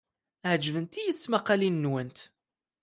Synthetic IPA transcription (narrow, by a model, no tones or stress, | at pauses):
həd͡ʒːvənt̪ijəθt͡sːmæqːælinːwənt̪